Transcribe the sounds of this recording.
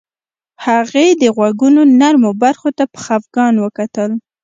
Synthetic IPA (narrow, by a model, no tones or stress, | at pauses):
haɣed̪əɣwaɡunonaɾmobaɾxot̪apə̥xafɡɑnwəkat̪əl